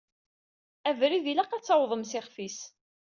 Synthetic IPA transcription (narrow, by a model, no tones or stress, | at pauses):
ævɾiðilæqæt͡sːɑwðˤəmsɪχfis